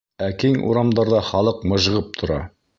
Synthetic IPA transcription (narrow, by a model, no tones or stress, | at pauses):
ækiŋṵɾɑmd̪ɑɾðɑχɑlˠɤqmɤ̆ʒ̆ʁɤp̚t̪ʰŏɾɑ̰